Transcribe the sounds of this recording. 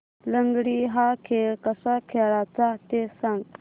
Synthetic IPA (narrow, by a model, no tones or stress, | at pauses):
ləŋɡɽiːɦakʰeɭkəsakʰeɭat͡sat̪esãŋɡ